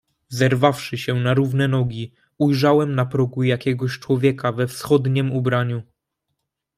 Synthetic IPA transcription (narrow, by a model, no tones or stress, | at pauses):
zɛɾvafʂɘɕɛnaɾuvnɛnɔɡʲi | ujʐawɛmnapɾɔɡujakʲɛɡɔɕt͡ʂwɔvʲjɛkavɛfsxɔd̪ɲɛmubɾaɲu